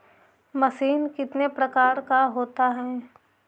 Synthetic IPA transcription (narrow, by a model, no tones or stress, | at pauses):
mɐsiːnkɪt̪nepɾɐkaːɾkaɦoːt̪aɦɛː